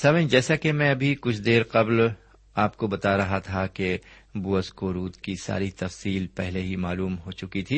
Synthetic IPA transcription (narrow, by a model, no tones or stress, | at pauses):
sɐʋẽd͡ʒɛːsakemɛ̃ɐbʱikʊt͡ʃʰd̪eːɾqɐbl | aːp̚kobɐt̪aɾɐɦat̪ʰake | buəskoːɾuːt̪kisa̰ːɾit̪ɐfsiːlpɛɦleɦimaːluːmɦot͡ʃʊkit̪ʰiː